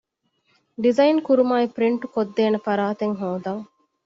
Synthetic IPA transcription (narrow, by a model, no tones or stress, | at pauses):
ɖizɐjnkuɾumaːipɾiɳʈukod̪ːeːnɐfɐɾaːt̪eŋɦoːd̪ɐŋ